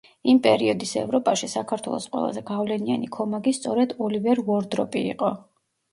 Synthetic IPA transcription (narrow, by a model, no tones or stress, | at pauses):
impʼɛɾiɔd̪isɛ̰vɾɔpʼaʃisakʰaɾt̪ʰwɛ̰lˠɔ̰sqʼwɛ̰lˠa̰zɛɡavlɛnia̰nikʰɔmaɡist̪sʼɔɾɛd̪ɔlivɛɾvɔɾd̪ɾɔpʼiiqʼɔ